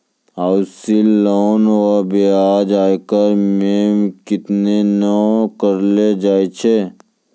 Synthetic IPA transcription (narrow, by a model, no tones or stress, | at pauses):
awsilːoːnabeaːd͡ʒaːjkəɾmeːmkɪt̪nenɐkəɾled͡ʒaːet͡ʃʰe